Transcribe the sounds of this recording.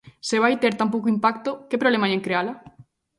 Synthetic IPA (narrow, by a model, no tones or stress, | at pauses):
seβajt̪eɾt̪amp̬owk̬oimpak̚t̪okepɾoβlemajeŋkɾeala